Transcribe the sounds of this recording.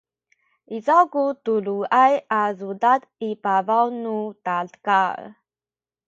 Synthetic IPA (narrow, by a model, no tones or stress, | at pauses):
izawkutuluajazudad | ipavawnutaɮka